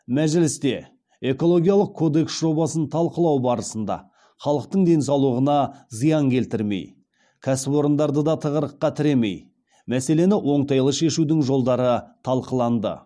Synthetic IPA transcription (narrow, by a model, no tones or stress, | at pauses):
mæʒɪlɪst̪e̞ | e̞ko̞lˠo̞ɡʲijɑlˠəq̚kʰːo̞d̪e̞ksʒo̞bɑsənt̪ʰɑlˠqəlˠɑwbɑɾəsənd̪ɑ̰ | χɑlˠəq̚t̪əɴd̪e̞ns̬ɑwlˠuəʁənɑzəjɑŋkʲʰe̞lt̪ɪɾme̞̰j | kʲʰæsɪpwo̞ɾənd̪ɑɾd̪əd̪ɑt̪ʰəʁəɾəqːɑt̪ʰɪɾe̞me̞̰j | mæse̞le̞nɪwʔo̞ɴt̪ɑjlˠəʃe̞ʃud̪ɪŋʒo̞lˠd̪ɑɾət̪ʰɑlˠqəlˠɑnd̪ə̰